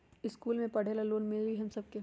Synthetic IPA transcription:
ɪskuːlmẽpɐɽ̤ʱeːlaloːnmeiɦɐmsɐb̚ke

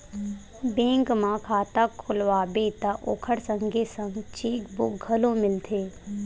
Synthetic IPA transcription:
bẽːŋkmãkʰaːt̪akʰːʊlʋaːbeːt̪aʔo̰ːkʰəɾsə̃ŋɡesə̃ŋɡt͡ʃeːkbʊk̚ɡʱəlõmɪlt̪ʰeː

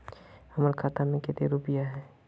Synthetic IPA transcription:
hɐməɾkʰaːt̪amẽket̪eɾupijaɦɛː

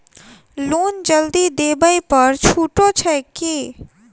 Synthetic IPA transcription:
luːnd͡ʒəld̪id̪eːbəipɐɾt͡ʃʰuːʈot͡ʃʰɛki

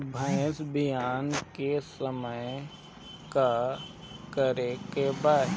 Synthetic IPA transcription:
bʱə̃ːsbɪjaːnkesəməj | ka | kəɾekebaː

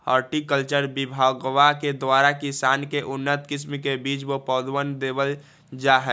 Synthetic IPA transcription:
həɾʈikəlt͡ʃəɾbibʱaɡʋaked̪ʋaːɾakisaːnkeʔʊnːət̪kɪsmkebiːt͡ʃʋopɔːd̪wənd̪eːbəl | d͡ʒaɦɛ

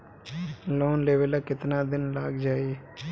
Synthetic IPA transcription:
loːnleːʋəlaːkɪt̪naːd̪ɪnlaːɡd͡ʒaːiː

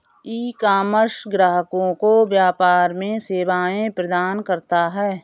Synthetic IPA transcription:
iːkaːməɾʃɡɾaːɦəkõkoʋjaːpaːɾmẽseːʋaːẽpɾəd̪aːnkəɾt̪aɦɛː

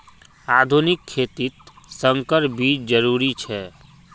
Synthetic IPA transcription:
ad̪ʱunɪkʰːet̪it̪ | səŋkəɾbʱit͡ʃd͡ʒəɾuɾit͡ʃʰɛ

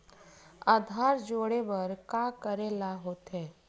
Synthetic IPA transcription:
aːd̪ʱaːɾd͡ʒoːɽebəɾkakəɾelaɦoːt̪ɦɛː

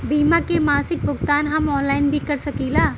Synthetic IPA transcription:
biːmãkemaːsɪk̚bʱʊɡt̪aːnɦɐmɔːnlaːɪnbʱikɐɾsɐkiːlaː

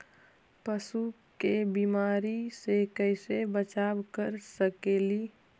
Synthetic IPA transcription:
pəsu | kebimaːɾisekəɪsebət͡ʃabkəɾsəkeːli

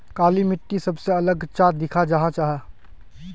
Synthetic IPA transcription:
kaːlimɪʈːisɐbseɐləɡt͡ʃaːd̪ɪkʰad͡ʒɐɦãt͡ʃaːɦa

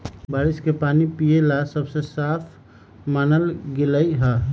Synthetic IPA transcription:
baːɾiskepaːnipijelasəbsesaːpʰ | maːnəlɡeləiɦɛ

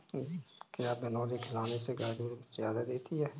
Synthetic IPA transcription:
kjaːbɐnɔːlekʰɪlaːneseɡaːd̪uːɾzjaːd̪ad̪eːt̪iɦɛː

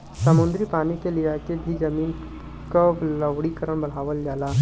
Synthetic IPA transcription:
sɐmʊ̃nd̪ɾipaːnikeliaːkebʱizɐmiːn | kabləʋɽikəɾəɽ̃bɐl̤aːʋəld͡ʒaːlaː

